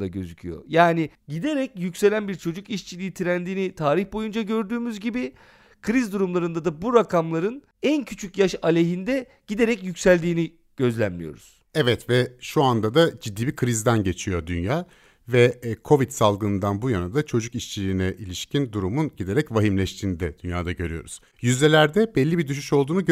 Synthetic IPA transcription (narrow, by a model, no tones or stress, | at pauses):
d̪aɟø̞zycʰyjo̰jaːnɪɟid̪e̞ɾɛcjycse̞lʲænbiɾt͡ʃʰo̞d͡ʒukiʃt͡ʃʰilʲiːt̪ʰiɾænd̪iːnit̪ʰaːɾiçbo̞jund͡ʒaɟø̞ɾd̪yːmyzɟibi | kʰɯɾizd̪uɾumlˠaɾɯnd̪ad̪abuɾakʰamlˠaɾɯn | æncʰyt͡ʃʰycjaʃalʲeɦind̪ɛ | ɟ̥id̪e̞ɾɛcjycsælʲd̪iːni | ɟ̥ø̞zlʲænmʲijo̞̰ɾuz̥ | ɛvɛt̪vɛʃuand̪ad̪ad͡ʒid̪ːiːbikʰɯɾizd̪ænɟe̞t͡ʃʰijo̞d̪ynjaː | vɛkʰo̞vit̪salˠɡɯnɯnd̪anbujanad̪at͡ʃʰo̞d͡ʒukiʃt͡ʃʰilʲiːnɛʔilʲiʃcʰind̪uɾumunɟid̪e̞ɾɛcvaɦimlʲɛʃt̪ʰiːnid̪ɛd̪ynjaːd̪aɟø̞ɾyjo̞̰ɾuz̥ | jyzlʲelʲæɾd̪ɛbɛlʲːibid̪yʃ̬yʃo̞lˠd̪uːnuɟ